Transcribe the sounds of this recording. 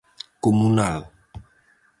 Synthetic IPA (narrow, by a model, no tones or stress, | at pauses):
komunal